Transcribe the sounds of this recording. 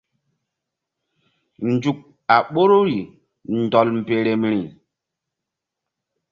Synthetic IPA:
n̩˨˦d͡ʒu˨k̚ | a˨ɓo˦ɾo˦ɾi˨ | n̩˨dɔ˨lm̩˨pe˨ɾe˨mɾi˨

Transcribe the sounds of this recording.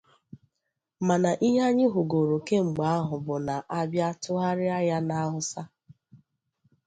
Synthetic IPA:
ma˨na˨ʔi˦ɦa˦ɲɪ˦ɦʊ˨ɡo˨ɾo˨ke˦ŋ͡m̩˨ɡ͡ba˨˦a˦ɦʊ˨bʊ˨na˨ʔa˦bja˦tʊ˦ɦa˦ɾɪ˦a˦ja˦na˦a˦ɦʊ˦sa˦

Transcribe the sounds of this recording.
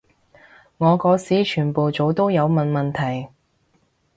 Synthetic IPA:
ŋɔː˨˧kɔː˨˥siː˨˥t͡ʃʰyː˨˩npo˨wt͡so˨˧wt̪o˥wjɐ˨˧wmɐ˨nmɐ˨nt̪ʰɐ˨˩j

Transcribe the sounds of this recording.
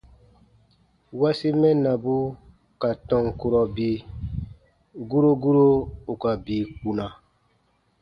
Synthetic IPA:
wa˦si˦mɛ˦nã˨bu˦ | ka˨tɔ̃˨ŋku˨ɾɔ˨bi˨ | ɡu˦ɾo˦ɡu˦ɾo˦u˨ka˨biː˨ku˨na˨

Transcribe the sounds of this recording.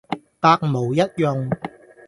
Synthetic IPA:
t̪aː˧k̚mo˨˩wjɐ˥t̚jʊ˨˧ŋ

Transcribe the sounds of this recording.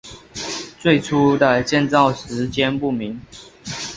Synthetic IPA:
t͡swe˥˩ɪʈ͡ʂʰu˥d̪ə˨t͡ɕjɛ˥˧˨nt͡sɑ˥˨ʊʂɻ̩˨˧˥t͡ɕjɛ˦npu˥˩mi˨˦ŋ

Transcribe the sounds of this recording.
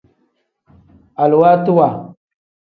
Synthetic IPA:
a˨lu˨wa˦tu˦wa˨

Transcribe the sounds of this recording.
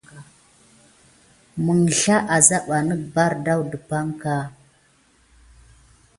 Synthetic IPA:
mə˨ŋɬa˦ʔa˨za˦ɓa˨nə˦ba˦ɾda˦wdə˨pa˦ŋka˦

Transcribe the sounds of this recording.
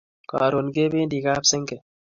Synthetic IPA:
kɔ̰ː˨ɾo˨nke˦be˦ndi˨ka˦pse˦ŋɡɛ˨

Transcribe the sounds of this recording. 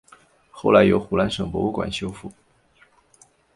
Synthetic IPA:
xo˥˩ʊla˧˥ɪjo˧˥ʊxu˨˩la˧˥nʂɤ˨˩ŋpwɔ˧˥u˥˩kwa̰˨˩nɕjo˥ʊfu˥˩

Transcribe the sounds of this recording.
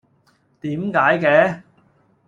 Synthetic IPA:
t̪iː˨˥mkaː˨˥jkɛː˧˥

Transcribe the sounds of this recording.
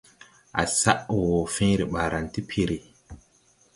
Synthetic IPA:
ʔa̰˨sa˦ʔwo˨fẽ˦ɾi˨ɓaː˨ɾa˨nti˦pʰi˨ɾi˨

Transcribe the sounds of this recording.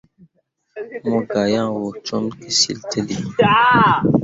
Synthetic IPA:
mɔ˦ɡa˨jã˦˨wo˨t͡ʃɔ˦mki˨sḭ˨ltʰe˦li˨

